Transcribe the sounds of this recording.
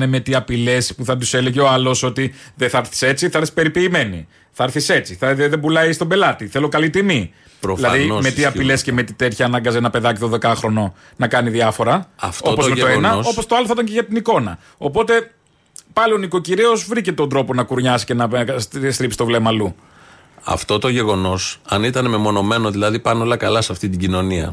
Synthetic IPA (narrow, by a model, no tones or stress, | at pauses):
nemet̪iɐpile̞spuθɐt̪use̞le̞ʝeoɐlo̞so̞t̪iðeθɐɐɾθi̥se̞t͡siθɐɐɾθisi̥pe̞ɾipiːme̞nḭ | θɐɐɾθise̞t͡siθɐðebulɐist̪o̞mbe̞lɐt̪iθe̞lo̞kɐlit̪imi | ɾilɐðimet̪iɐpile̞sceme̞t̪it̪e̞t̪çɐːnɐŋɡɐzenɐpe̞ðɐcit̪onðe̞kɐxɾo̞no̞ | nɐkɐniðiɐfo̞ɾɐɐ̰ft̪o̞tpomet̪oenɐso̞post̪oɐloθɐt̪ɐɲceʝɐt̪iniko̞nɐ | o̞po̞t̪e̞ | pɐlio̞niko̞ciɾio̞zvɾice̞t̪o̞nd̪ɾo̞po̞nɐkuɾɲɐsi̥ce̞nɐst̪ɾipsi̥t̪o̞vle̞mɐlu | ɐ̰ft̪o̞t̪o̞ʝe̞ɣo̞no̞sɐnit̪ɐnememo̞no̞me̞noðilɐðipɐnolɐkɐlɐsɐft̪it̪iɟino̞niɐ̰